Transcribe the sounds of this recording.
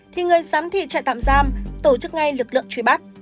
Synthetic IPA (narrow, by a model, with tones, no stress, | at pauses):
t̪ʰi˨˩ŋɨ˨˩əjzaː˨˦mt̪ʰḭ˧˨t͡ɕa̰˧˨jt̪a̰ː˧˨mzaː˧mt̪o˧˩t͡ɕɨ˦˥k̚ŋa˧jlɨ˨˩k̚lɨ̰˧˨əŋt͡ɕwi˨˦ɓa˦˥t̚